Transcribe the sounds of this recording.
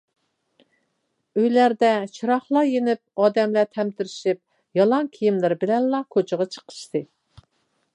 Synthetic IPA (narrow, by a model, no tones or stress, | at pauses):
øjlæɾd̪ɛt͡ʃʰiɾɑχlˠɑjenɪp̚ɑːd̪ɛmlæt̪ʰɛmt̪ʰɪɾɪʃip̚ | jɑlˠɑŋkʲʰijimlɪɾbɪlɛnlˠɑkʰot͡ʃʰəʁɑt͡ʃʰə̥qʰə̥ʃt̪ʰɨ